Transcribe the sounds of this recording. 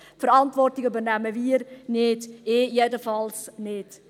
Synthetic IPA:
fəɾɑntvɔrtɪkybərnæməviːɾnɪteːjedəfɑlsnɪt

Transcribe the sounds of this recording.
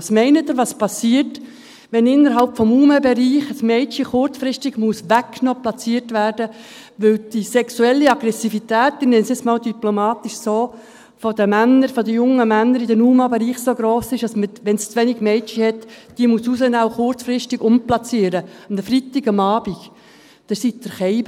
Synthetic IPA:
smɛɪnət̪ːəɾʋɑspɑsiːət | ʋɛnɪnːəɾɦɑlpfɔmuːmɑbɛɾiːχəsmɛɪt͡ʃiχʊrt͡sfɾɪstɪɡ̥muəsʋækːnoplɑt͡siːərtʋæːrdə | ʋɪld̥isɛksuɛlːiɑɡ̥ɾɛsifitæːt̪ɪnɛnsɪsmɑːld̪yplomɑːt̪iʃsoː | fɔd̥̪əmænːəɾfɔd̪əjʊŋːəmænːəɾidɛnuːmɑbeɾiːχsoɡɾoːsɪʃɑsməʋɛnst͡sʋɛniɡ̥mɛɪt͡ʃihɛtd̥imususənawχʊɾt͡sfɾɪstɪɡʊmplɑt͡siəɾəmdəfɾit̪ɪɡɑmɑːb̥iɡ̥ | d̪̥əsid̪əɾχɛɪb

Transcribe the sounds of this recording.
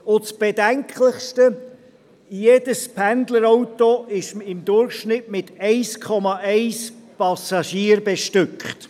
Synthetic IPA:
ʊt͡sb̥edɛŋkʰləχstə | jeːd̥əspʰænd̪ləɾaʊtoɪʃɪmd̪ʊɾχʃnɪtmɪtɛɪskʰɔmɑʔɛɪspɑsɑʃiːəɾbeʃtʏkχt

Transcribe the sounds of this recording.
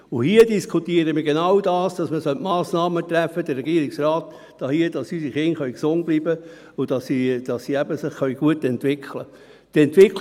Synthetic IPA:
ʊhiədiskʰutiəɾəməɡenɑwdɑːsd̥ɑsməsœltmɑːsnɑːmət̪ræfːəd̥ərːɛɡiəɾiksraːt̪ | d̥ɑhiːəd̥ɑsysiχɪnχœɥksʊn̚b̥liːbə | ʊd̥ɑsid̥ɑsːiæbəsɪχχœɥɡ̥uətɛntʋɪkʰlə | tɛntʋɪk

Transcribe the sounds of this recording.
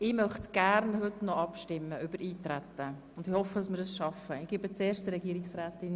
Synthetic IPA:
ɪːmœχtɡ̥æɾnhʏtnɔɑpʃtɪmːəʏbəɾʔiːtɾætːə | ʊndɪhɔfədɑsmɪːɾdəsʃɑfəɪɡ̥ɪːbət͡seːɾʃtdəɾɛɡiəɾɪksʁæːtɪn

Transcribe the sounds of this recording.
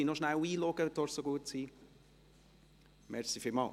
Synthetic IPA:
inɔʃnæwiːlɔɡ̥ədɔsoɡuətsiː | mɛɾsifɪlmɑ̰ː

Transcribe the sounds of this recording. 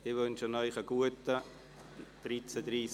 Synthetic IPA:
ɪvønʃənœʏχəɡuətə | d̥ɾit͡sədɾiːs

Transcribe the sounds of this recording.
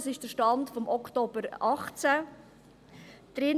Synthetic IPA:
sɪʃd̥əʃtɑndfɔmʔɔktoːbəɾɑχt͡sə | d̥ɾɪ

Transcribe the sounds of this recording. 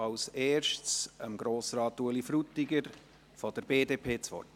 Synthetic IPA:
ɑʊseːɾʃtsəmɡɾoːsɾɑːt̪uəlifɾut̪iɡəɾ | fɔd̥̪əɾb̥eːdeːpʰeːt͡sʋɔ̰r

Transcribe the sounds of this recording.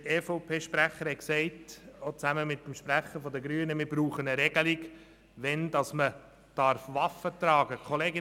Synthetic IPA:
ɛːfɔʊpʰeːʃpɾæχəɾhɛksɛɪtot͡sæməmɪtːmʃpræχəfɔd̪əɡɾyːənəmɪːɾbruːχənəɾɛɡ̥əliɡ | ʋɛnd̥ɑsmə | d̥ɑɾfʋɑfətrɑːɡəkʰɔleːɡɪ

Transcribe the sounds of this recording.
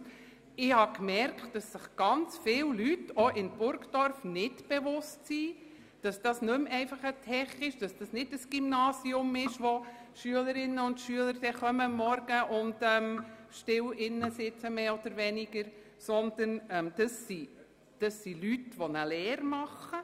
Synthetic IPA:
ɪhɑkmɛɾkt̚d̥ɑsːɪχɡ̥ɑnt͡sfɪwlytoʔɪnb̥ʊɾkd̥ɔɾfnɪdb̥eʋʊstsiː | d̥ɑsd̥ɑsnɵmɛɪfɑχətʰɛχɪʃd̥ɑsd̥ɑsnɪdəsɡ̥imnɑːsiʊmɪʃʋo | ʃyələɾɪnːəʊndʃyələɾd̥ɛχœməmːɔɾɡ̥əʔʊndɛmʃtɪwɪnːəsɪt͡səmeːɔd̪̥əɾʋɛnɪɡəɾ | sɔnd̥ənɛmd̥ɑsːi | d̥ɑsːilytʋɔnəlɛːɾmɑχə

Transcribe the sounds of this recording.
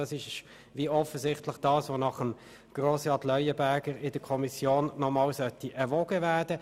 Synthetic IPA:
ɑsɪʃ | viɔfəzɪχtlɪχd̥ɑːsʋonɑχəm | ɡ̥ʁosɑtlœʏəbæɡəɾɪd̥əkʰɔmisjoːnːɔmɑːlsœtiʔɛʁʋɔɡ̥əvæːd̥ə

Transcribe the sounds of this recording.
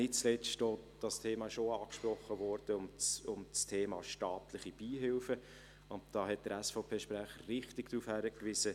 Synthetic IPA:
nɪtt͡slɛstod̥ɑstʰeːmɑɪʃoɑːkʃpɾɔχːəvɔɾd̥əʊmt͡sʊmt͡stʰeːmɑːʃtɑːtlɪχib̥iːɦɪlfə | ʊnt̚d̥ɑːɦɛt̚d̥əɾæsfɔʊpʰeːʃpɾæχərɪχtɪɡd̥ɾufhæɾəkʋɪsə

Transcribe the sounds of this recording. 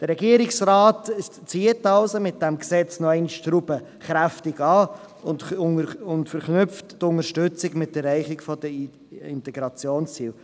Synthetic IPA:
d̥əɾɛɡiəɾɪksɾaːt | t͡siətɑlsomɪt̚d̥ɛmksɛt͡snɔɛɪnʃtɾub̥ə | χɾæftɪɡɑː | ʊntʊntfəɾχnʏftːʊŋəʃtʉt͡sɪɡmɪtːɛrɛɪχɪkfɔdə | ɪntɛɡɾɑt͡sjoːnst͡sḭːl

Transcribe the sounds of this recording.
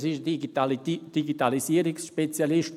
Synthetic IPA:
siʃd | d̪iɡit̪alisiəɾiksʃpet͡sjaliʃt

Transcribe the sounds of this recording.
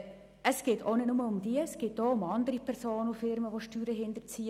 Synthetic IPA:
əsɡ̥eːtʰo̰ːnɪtnʊməʊmdiəsɡ̥eːt̚doːʊmɑndəɾipʰɛʁsoːnufɪɾməʋoʃtyːɾəɦɪndəɾt͡siː

